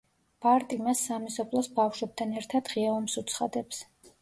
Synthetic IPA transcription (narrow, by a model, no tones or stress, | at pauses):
b̥aɾt̪ʼimasːamisɔpʰlˠɔsbafʃwɛb̚t̪ʰanɛɾt̪ʰad̪̥ʁiaɔmsut̪sʰχa̰d̪ɛps